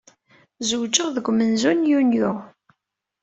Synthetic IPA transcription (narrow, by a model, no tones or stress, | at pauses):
zuwd͡ʒəʁðəɡʷmənzunjunjʊʁ